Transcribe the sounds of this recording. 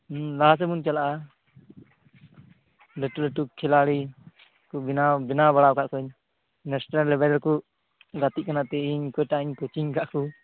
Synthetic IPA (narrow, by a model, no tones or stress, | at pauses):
las̬ɛmunt͡ʃalaʔa | lɛʈulɛʈukʰɛlaɽi | kubinabinabaɽakaʔkɔɲ | nɛsnalɛbɛɾɛlku | ɡat̪iʔ̚kanat̪ɛiɲkɔjʈaiɲkɔt͡ʃiɲkaʔku